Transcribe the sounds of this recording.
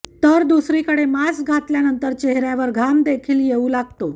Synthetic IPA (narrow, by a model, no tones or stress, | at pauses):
t̪əɾd̪usɾiːkəɽemasɡʱat̪ljanənt̪əɾt͡ɕeɦɾjaʋəɾɡʱamd̪ekʰiːljeulaɡ̚t̪o